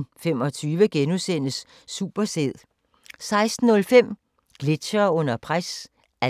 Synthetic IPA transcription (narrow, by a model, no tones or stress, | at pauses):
femɒ̽t͡sʰyːʋəɡ̥enusen̰əsː | ṵb̥ɐseð̰ˠ | sɑ̈ɪsd̥n̩ːɔ̽lfem̰ | ɡ̥le̝̥ɕɐɔ̽n̰ɐpʰʁas | æ